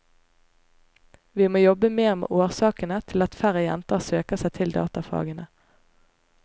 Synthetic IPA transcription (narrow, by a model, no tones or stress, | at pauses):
ʋiːmoːjɔbəmeːʁmḛːʔoːʁsɑːkənət̪ʰɪlɑt̪fæʁəjɛ̰nt̪əʁsøːkəʁsæɪt̪ʰɪld̪ɑ̰ːt̪ɑfɑ̰ːɡənə